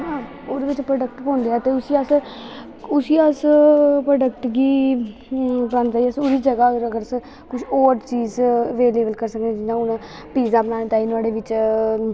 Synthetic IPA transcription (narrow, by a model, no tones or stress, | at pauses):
ɦã | oːd̪eːʋɪt͡ʃpɾəːɖək̚ʈpõːnd̪eːaːt̪eːʊsiːəs | ʊsiːəspɾəːɖəkʈɡiː | bənd̪aːiəsoːɾiːd͡ʒəɡaːəəɾəɡəɾəs | kʊt͡ʃʰoːɾt͡ʃiːzʋeːleːbəlkəɾsəkd̪eːd͡ʒɪnãːʊnãː | piːzaːbənaːnẽːt̪aːiːnʊaːɽeːʋɪt͡ʃ